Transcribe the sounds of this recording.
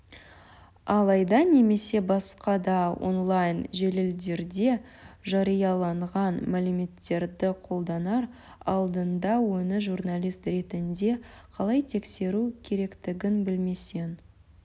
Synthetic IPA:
ɑlˠɑjd̪ɑne̞me̞se̞bɑsqɑd̪ɑo̰nlˠɑjnʒelɪld̪e̞ɾd̪e̞ | ʒɑɾijɑlˠɑɴʁɑnmælɪme̞t̪ːe̞ɾd̪ɪqʰo̞lˠd̪ɑnɑɾ | ɑ̰lˠd̪ənd̪ɑwɵnɪʒurnalʲijst̪ɾe̞t̪ɪnd̪e̞qʰɑlˠɑjt̪ʰe̞kse̞ɾukʲʰe̞ɾe̞kt̪ɪɡʲɪnbɪlme̞se̞n

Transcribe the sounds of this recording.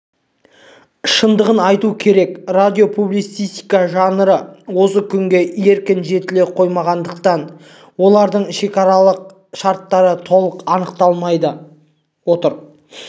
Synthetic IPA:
ʃənd̪əʁənɑjt̪ukʲʰe̞ɾe̞krad̪ʲijo̞pʰublij̪sijst̪ijkaʒɑnəɾəwo̞səkʲʰʏŋɡʲe̞e̞ɾkʲɪnʒe̞t̪ɪle̞qʰo̞jmɑʁɑnd̪əqt̪ɑn | wo̞lˠɑɾd̪əɴʃe̞kɑɾɑlˠəq̚ | ʃɑɾt̪ːɑɾət̪ʰo̞lˠəqɑnəqt̪ɑlˠmɑjd̪ə | wo̞t̪əɾ

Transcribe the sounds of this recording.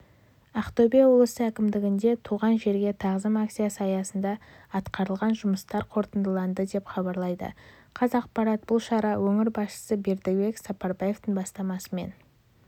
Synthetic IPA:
ɑqt̪obewolˠəsəækʲɪmd̪ɪɡʲɪnd̪e̞t̪ʰuʁɑnʒe̞ɾɡʲe̞t̪ʰɑʁzəmakt̪sijasɑjɑsənd̪ɑː | t̪qɑɾəlˠʁɑnʒʊməst̪ɑɾqʰo̞ɾt̪ənd̪əlˠɑnd̪əd̪e̞pχɑbɑɾlˠɑjd̪ə̰ | qʰɑzɑq̚pɑɾɑt̪̚b̥ʊlˠʃɑɾɑwɵŋɪɾbɑsʃə̥səbeɾd̪ebe̞ksɑpɑɾbɑje̞ft̪əɴbɑst̪ɑmɑsəme̞̰n

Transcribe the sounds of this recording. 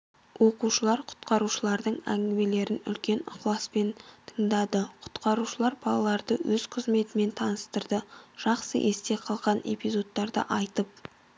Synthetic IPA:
wʔo̞quʃəlˠɑɾqʰʊ̥t̪qɑɾuʃəlˠɑɾd̪əɴæŋɡʲɪme̞le̞ɾɪnʏ̰lkʲe̞nʊ̰qlˠɑspe̞nt̪ʰəɴd̪ɑd̪əqʰʊ̥t̪qɑɾuʃəlˠɑɾbɑlˠɑlˠɑɾd̪əwɵz̥qʰəzme̞t̪ɪme̞nt̪ʰɑnəst̪əɾd̪əʒ̥ɑqsə̰ʔest̪e̞qʰɑlˠʁɑne̞̰pizo̞t̪ːɑɾd̪ə̰ʔɑjt̪əp̚

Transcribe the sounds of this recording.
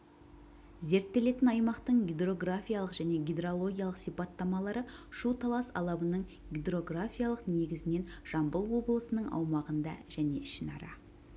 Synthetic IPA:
ze̞ɾt̪ːe̞le̞t̪ɪnɑjmɑqt̪əɴɡʲid̪ro̞ɡrafʲijaɑlˠəqʒ̥æne̞ɡʲid̪ro̞lˠo̞ɡʲijɑlˠəqsijpɑt̪ːɑmɑlˠɑɾəʃut̪ʰɑlˠɑsɑ̰lˠɑbənəɴ | ɡʲid̪ro̞ɡrafʲijalˠəqne̞ɡʲɪzɪne̞nʒ̥ɑmbəlˠwo̞blˠəsənəɴɑ̰wmɑʁənd̪ɑ̰ʒæne̞̰ʃɪnɑ̰ɾɑ̰

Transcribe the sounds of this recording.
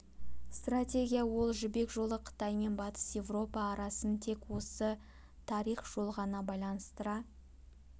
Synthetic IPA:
st̪ratʲe̞ɡʲijawo̞lˠʒʏbe̞kʒo̞lˠəqʰə̥t̪ɑjme̞nbɑt̪ə̥sje̞vro̞pɑːɾɑsənt̪ʰe̞kwo̞sə | t̪ʰɑɾiχʒ̥o̞lˠʁɑnɑbɑjlˠɑnəst̪əɾɑ

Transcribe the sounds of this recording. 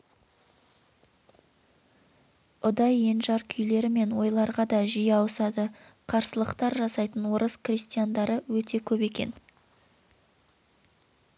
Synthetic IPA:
ʊd̪ɑje̞nʒɑɾkʲʰʏjle̞ɾɪme̞nwo̞jlˠɑɾʁɑd̪ɑʒijɑwəsɑd̪əqʰɑɾsəlˠəqt̪ɑɾʒɑsɑjt̪ənwo̞ɾəsqrʲist̪ijand̪ɑɾəwɵt̪e̞kʲʰɵpe̞kʲe̞̰n

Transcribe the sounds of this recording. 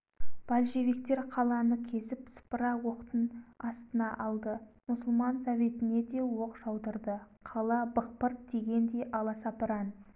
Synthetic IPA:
b̥alʲʃe̞vik̚t̪e̞ɾqʰɑlˠɑnəkʲʰe̞sɪpsə̥pəɾɑwo̞qt̪ənɑst̪ənɑʔɑlˠd̪əmʊsəlˠmɑnsɑve̞t̪ɪne̞d̪e̞wo̞qʒ̥ɑwd̪əɾd̪əqʰɑlˠɑbəq̚pəɾd̪̥e̞ɡʲe̞nd̪e̞jʔɑlˠɑsɑpəɾɑn

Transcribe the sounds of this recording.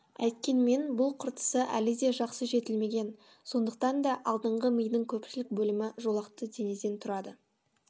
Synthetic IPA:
æ̰jt̪kʲe̞nme̞nbʊlˠqʰʊɾt̪ə̥səʔæ̰lɪd̪e̞ʒɑqsəʒe̞t̪ɪlme̞ɡʲe̞n | so̞nd̪əq̚t̪ɑnd̪ɑʔɑlˠd̪əɴʁəməjd̪ɪŋkʲʰɵpʃɪlɪk̚bɵlɪmɪʒo̞lˠɑqt̪əd̪e̞nezd̪e̞nt̪ʰʊɾɑd̪ə

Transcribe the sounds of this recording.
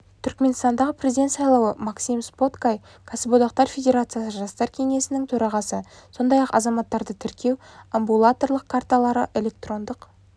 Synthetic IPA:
t̪ʰʏɾkme̞nst̪ɑnd̪ɑʁəprʲe̞zid̪e̞nt̪sɑjlˠɑwəmaksijmspo̞t̪kaj | kʰasəbod̪ɑqt̪ɑɾfʲe̞d̪ʲe̞ɾat̪sɨjasəʒɑst̪ɑɾkʲʰe̞ŋe̞sɪnɪŋt̪ʰɵɾɑʁɑsəso̞nd̪ɑjɑqɑ̰zɑmɑt̪ːɑɾd̪ət̪ʰɪɾkʲʰe̞wambulˠat̪o̞rlˠəqkʰart̪alˠɑɾəʔe̞lʲe̞k̚t̪ro̞nd̪əq

